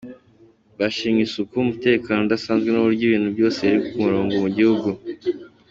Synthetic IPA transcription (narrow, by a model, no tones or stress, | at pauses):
βaʃiːmisukuumute̞ːkaːno̞dasaːnzɡwenuβuɾɟiːβiːn̥hubjo̞ːse̞jaɾikokumuɾoːŋɡomuɟihuɡu